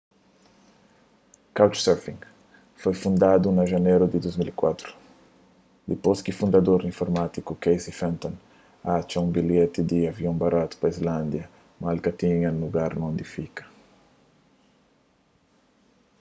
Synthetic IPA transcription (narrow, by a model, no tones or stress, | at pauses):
kawt͡ʃsɛɾfĩŋ | fojfũnd̪ad̪unɐʒaneɾud̪id̪ozmilikwat̪ɾu̥ | d̪iposkifũnd̪ɐd̪oɾĩɱfoɾmat̪ikukejsifɛ̃nt̪õn | at͡ʃaũmbiljet̪ɪd̪iavjõŋbaɾat̪u̥pɐizlãnd̪jɐ | malkɐt̪ĩɲɐnluɡaɾnõnd̪ifikɐ̥